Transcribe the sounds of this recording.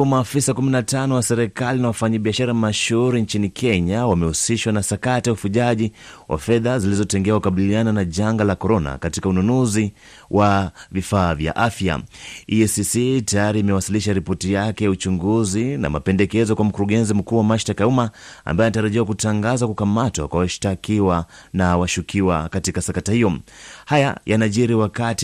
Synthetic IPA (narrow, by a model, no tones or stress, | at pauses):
umaːfisakuminatanɔwasɛɾɛkalinawafaɲaɓiaʃaɾamaʃuɾint͡ʃinikʰɛɲawamɛhusiʃwanasakatijaufuʄaʄiwʔa̰fɛðazilizɔtɛŋɡɛakukaɓiliananaʄaŋɡalakɔɾɔna̰katikaununuzi | wʔavifaːvja̰ʔafja̰iɛsisitajaɾiːmɛwasiliʃaɾipɔtijakɛjaut͡ʃuŋɡuzina̰mapɛndɛkɛzɔkwam̩kuɾuɠɛnzim̩kuːwamaʃtakajaumaa̰mbajinataɾaʄiwakutaŋɡazakukamatwa̰kwawaʃtakiwanawaʃukʰiwakatikasakatahijɔhaja̰jʔanaʄiɾiwakati